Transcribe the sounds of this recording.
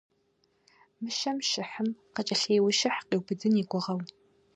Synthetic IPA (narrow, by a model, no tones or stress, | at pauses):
mɨʃɐmʃɪħəmqət͡ʃʼɐɬeːwɪʃɐħqiːwbɨdɨniɡʷʊʁɐw